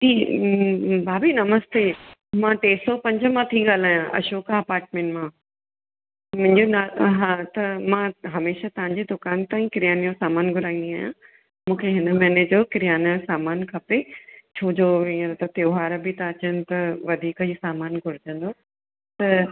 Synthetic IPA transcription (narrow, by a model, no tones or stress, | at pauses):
d͡ʑiː | bʱaːbʱinɐməst̪emãʈeːsɔpɐ̃ɲd͡ʑəmãt̪ʰiɠaːl̤aːjãʔɐ̰ʃoːkaɐpaːɾʈmẽːɳʈmã | mʊ̃ɦɪ̃ɲd͡ʑonaːɦãt̪ɐmãɦɐmeːʃat̪ɐʋ̤ãɲd͡ʑed̪ʊkaːnt̪ãːĩkɪɾijaːnijõsaːmaːnɡʱʊɾaːĩnd̪iaːjã̰ | mũːkʰeɦɪnəmɛːned͡ʑokɪɾijaːnəsaːmaːnkʰɐpet͡ɕʰoːd͡ʑoẽɾt̪ɐt̪joːɦaːɾbɪt̪aɐt͡ɕənɪ̆t̪ɐʋɐd̪ʱiːkəisaːmaːnɡʱʊɾɪd͡ʑə̃nd̪o | t̪ɐ